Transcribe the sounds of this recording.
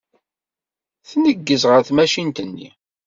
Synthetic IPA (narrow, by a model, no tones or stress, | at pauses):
θnəɡːəzʁəɾθmæʃint̪ənːḭ